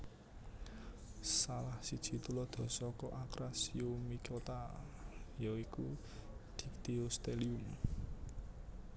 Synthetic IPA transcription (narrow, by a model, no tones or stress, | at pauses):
salahsid̥ʒ̥i̤t̪ulɔd̪̥ɔ̤sɔkɔʔakɾasiomikot̪a | jɔiku | d̪̥i̤kt̪iost̪elium